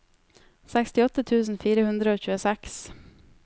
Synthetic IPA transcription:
sɛkst̪ɪɔt̪ːət̪ʰʉːsn̩fiːɾəhʉnd̪ɾəoːçʉːəsɛks

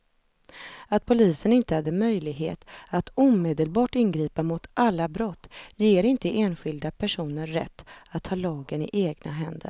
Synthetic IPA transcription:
at̪̚pʰʊliːsənɪnt̪əhad̪ːəmœjlɪɡɦḛːt̪at̪uːmeːd̪əlbɑːʈɪnɡɾiːpamʊt̪ʔalːabɾɔt̪ːjeːɾɪnt̪əʔeːnɧɪld̪apʰæʂuːnəɾːɛ̰t̪ːat̪ʰːhɑːlɑːɡənɪ̰ʔeːɡna̰ɦɛnd̪ə̰ɾ

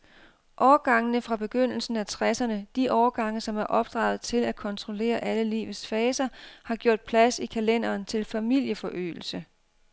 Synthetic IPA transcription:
ʔɒːɐɡ̥ɑ̈ŋənəfʁɑ̈b̥e̝ɡ̥øn̰l̩sn̩æt͡sʰʁɛsɐnəd̥iʔɒːɐɡ̥ɑ̈ŋ̰əsɒ̽mæɐʔɒ̽b̥̚d̥ʁɑ̈ːʊð̩ˠt͡sʰe̝læ̥kʰɒ̽nt͡sʰʁo̝le̝̰ːɐʔæləlḭːʋð̩ˠsfɛːsɐhɑ̈ɡ̥jo̝ɐ̰d̥̚pʰlæsikʰælen̰ɐːnt͡sʰe̝lfæmil̰jəfɒ̽ʔø̰ːl̩sə

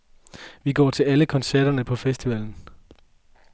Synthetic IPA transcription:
ʋiɡ̥ɒ̰ːt͡sʰe̝læləkʰɒ̽nsæɐ̰ɾ̥ɐnəpʰɒ̽fesd̥iʋɛln̩

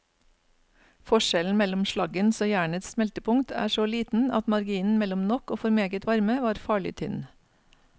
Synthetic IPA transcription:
fɔʃɛln̩mɛlɔmʃlɑɡənsoːjæːɳət̪ssmɛlt̪əpʰʊŋt̪ʰæ̰ːʃoːliːt̪n̩ɑt̪mɑɾɡiːnn̩mɛlɔmnɔkoːfɔɾmeːɡət̪ʋɑɾməʋɑːɾfɑːɭɪ̰t̪ʰʏ̰n

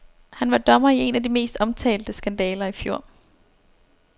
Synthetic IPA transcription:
hænʋɑ̈d̥ɒ̽mɐie̝næd̥ime̝̰ːsd̥ɒ̽mt͡sʰɛ̰ːld̥əsɡ̥ænd̥ɛːlɐifjo̝ɐ̰

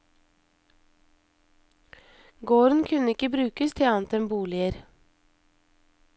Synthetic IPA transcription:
ɡoːɾn̩kʰʉnəɪkəbɾʉːkəst̪ʰɪɑːnt̪ɛmbuːlɪəɾ

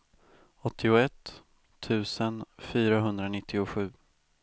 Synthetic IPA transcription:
ɔt̪ʰːɪʊɛt̪ʰː | ʉ̟ːsənfyːɾaɦɵnd̪ɾanɪt̪ʰːɪʊɧʉ̟ː

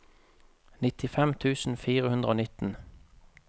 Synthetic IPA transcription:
nɪt̪ʰɪfɛmt̪ʰʉːsn̩fiːʁəhʉnd̪ʁəoːnɪt̪n̩

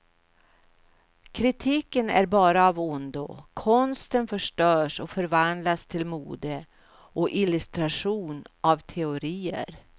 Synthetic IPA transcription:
kʰɾɪt̪ʰiːkənæ̰ɾbɑːɾaːvʊnd̪ʊ̰kʰɔnst̪ənfœʂʈœːʂɔfœɾvand̪last̪ʰɪlmuːd̪ə | ʔɔʔɪlɵst̪ɾaʂuːnʔavt̪ʰɛʊɾiːə̰ɾ

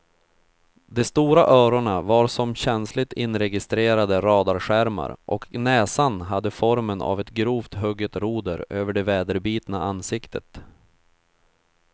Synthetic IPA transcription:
d̪ɛst̪uːɾaʔœːɾʊɳavaɾsɔmɕɛnslɪt̪ɪnɾɛɡɪst̪ɾeːɾad̪əɾɑːd̪aɾɧæɾma̰ɾʔɔ̰knɛːsanɦad̪ːəfɔɾməna̰vɛt̪ɡɾuːft̪ɦɵɡət̪ɾuːd̪əɾʔøːvəɖɛvɛːd̪əɾbiːt̪naʔanːsɪkt̪ʰət̪

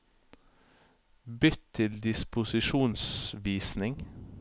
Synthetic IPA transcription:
bʏt̪ʰɪld̪ɪspʊsɪʃuːnsʋiːsnɪŋ

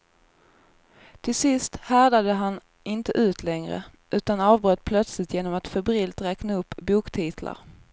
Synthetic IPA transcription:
t̪ʰɪlsɪst̪hæd̪ad̪əɦan | ʔɪnt̪əʔʉ̟ːt̪ʰlɛŋɾə̰ʔʉ̟ːt̪anɑːvbɾøːt̪̚ːpʰlœt̪slɪt̪jeːnɔmat̪fɛbɾɪːlt̪ɾɛːknaɵpːbuːkt̪ʰiːt̪ʰla̰ɾ

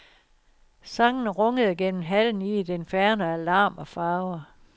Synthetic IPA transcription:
sɑ̈ŋnʁɔ̽ŋəð̞ˠɡ̥en̰m̩ɦæln̩id̥enfæɐnəælɑ̈ːmɒ̽fɑ̈ːʊɐ

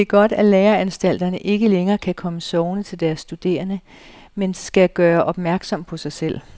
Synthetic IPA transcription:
d̥e̝ɡ̥ɒ̽d̥æleːɐænsd̥æl̰d̥ɐnəʔe̝ɡ̥əleŋɐːkʰækʰɒ̽məsɒʊnət͡sʰe̝ld̥æɐsːd̥ud̥e̝̰ːɐnə | mensɡ̥æɡ̥ɶːɐʔɒ̽b̥mæɐɡ̥sɒ̽m̰pʰɒ̽sɑ̈ɪsel̰

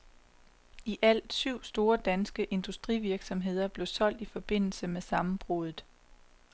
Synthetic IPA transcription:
iʔæl̰d̥syʊ̰sd̥o̝ːɐd̥ænsɡ̥əʔe̝nd̥usd̥ʁiʋiɐɡ̥sɒ̽mɦe̝ð̞̰ˠɐb̥le̝ʊsɒ̽l̰d̥ifɒ̽b̥e̝n̰l̩səmesɑ̈mm̩b̥ʁoðˠð̩ˠ

